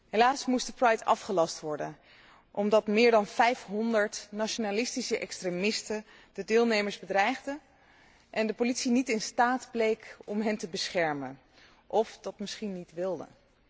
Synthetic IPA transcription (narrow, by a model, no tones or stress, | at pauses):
ɦelaːsmusdəprɑjtɑ̰fχəlɑstʋɔɹdən | ʔɔmdɑtmɪːɹdɑnvɛjfɦɔndəɹtnaʃonalɪstisəʔɛ̰kstremɪstə | dədɪːlˠnejməɹzbədrɛjχdə | ʔɛndəpolitsinitɪnstaːdblejkɔmɦɛntəbəsχɛɹmən | ʔɔfdɑtmɪsχinːitʋɪlˠdə̰